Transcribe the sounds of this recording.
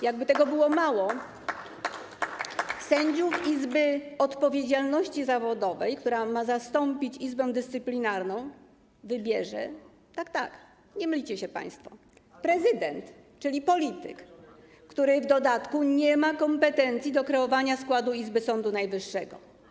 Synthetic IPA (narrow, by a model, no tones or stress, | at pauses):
jaɡ̚bɘt̪ɛɡɔbɘwɔmawɔ | sɛɲd͡ʑuvizbɘɛɔt̪pɔvʲjed͡ʑalnɔɕt͡ɕizavɔd̪ɔvɛ̰jkt̪uɾamazast̪ɔmpʲit͡ɕizbɛ̃w̃d̪ɘst̪ɘplʲinaɾnɔ̃w̃ | vɘbʲjɛʐɛ̰ | t̪akt̪a̰k | ɲɛmlʲit͡ɕɛɕɛpa̰j̃st̪fɔ | pɾɛzɘd̪ɛnt̪ | t͡ʂɘlʲipɔlʲit̪ɘ̰kː | t̪uɾɘvd̪ɔd̪at̪kuɲɛmakɔmpɛt̪ɛnt̪sʲjid̪ɔkɾɛɔvaɲaskwad̪uizbɘsɔnd̪unajvɘʂːɛɡɔ̰